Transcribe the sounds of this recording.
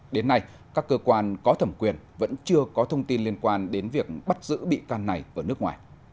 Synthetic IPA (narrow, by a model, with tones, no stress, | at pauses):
ɗe˨˦nːa˧j | kaː˦˥kːəː˧kwaː˧nkɔ˨˦t̪ʰə˧˩mkwi˨˩ənvə̰˧˥nt͡ɕɨ˧əkɔ˨˦t̪ʰə˧wŋ͡mt̪i˧nli˧ənkwaː˧nɗe˨˦nvi˨˩ək̚ɓa˦˥t̚zɨ̰˧˥ɓḭ˧˨kaː˧nːa˨˩jʔəː˧˩nɨ˦˥ək̚ŋwaː˨˩j